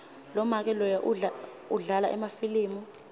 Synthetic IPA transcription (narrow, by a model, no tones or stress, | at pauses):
lɔmak̬ɛlɔjaʔu | uɮalaʔɛ̰mafiliːmu